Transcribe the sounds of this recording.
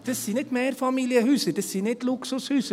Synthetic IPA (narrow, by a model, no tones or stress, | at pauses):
d̪̥ɛsiːnɪt̪meːɾfɑmiljəɦʉːsəd̥̪ɛsiːnɪt̪lʊksʊshʉːsə